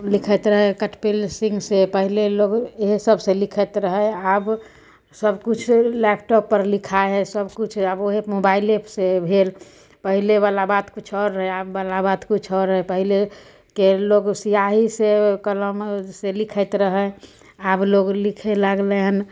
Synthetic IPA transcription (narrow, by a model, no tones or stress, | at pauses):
likʰət̪ɾəɦɛkəʈpelsĩŋɡsepəɦileloɡeɦsəbselikʰət̪ɾəɦəab | səbkut͡ʃʰlɛpʈɔpːəɾlikʰaɦɛsəbkut͡ʃʰaboɦemobailepʰsebʱel | pəɦilebalabat̪kut͡ʃʰɔɾːəɦeabːalabat̪kut͡ʃʰɔɾɦɛpəɦile | keloɡsijaɦisekələmselikʰət̪ɾəɦə | abloɡlikʰelaɡleɦn